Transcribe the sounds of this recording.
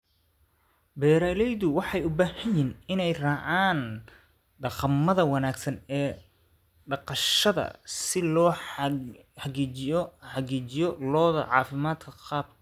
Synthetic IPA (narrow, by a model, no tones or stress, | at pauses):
bɛːɾalɛjðʊwɑħɑjʊbaːhɐjinɪnɛjrɑːʕaːn | ɖɑqɑmːɐðɐwɑnaːɡsɐnɛː | ɖɑqɑʃɐðɐ̰sɪlɔ | ħɑɡiːt͡ʃɪjɔħɑɣiːt͡ʃɪjɔlɔːðɐ̰ʕɑ̰ːfɪmaːd̪kʰɐqɑːb̚